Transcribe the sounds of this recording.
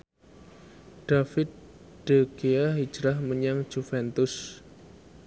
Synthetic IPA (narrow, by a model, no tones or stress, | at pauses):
ɖ̥afɪt̪̚ | ɖ̥eɡeaɦi̥d͡ʒɾahməɲaŋ̥d͡ʒ̥ufɛnt̪ʊs